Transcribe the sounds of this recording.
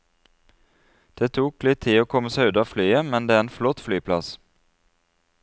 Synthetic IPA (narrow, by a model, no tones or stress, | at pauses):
d̪̥eːt̪ʰuːklɪt̪ʰiːoːkʰɔməsɑʉd̪əɑːflyːəmɛnd̪eːæʁeːnflɔt̪flyːpʰlɑ̰s